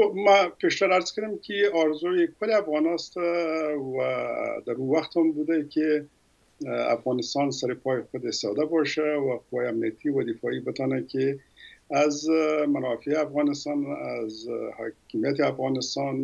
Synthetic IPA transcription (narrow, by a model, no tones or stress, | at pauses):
omapeʃt̪aɾaɾzkəɾɪmkeɑɾzojekʊleafɣɑnɑst̪awad̪aɾuwaxt̪hɔmbud̪ake | a̰fɣɑnɪst̪ɑnsaɾepɑjxʊd̪est̪ɔd̪abɑʃawaqʊwajeamnijat̪iwad̪ɪfɑibət̪ɔnake | azmanɑfeafɣɑnɪst̪ɑna̰zhɑ̰kɪmijat̪eafɣɑnɪst̪ɑn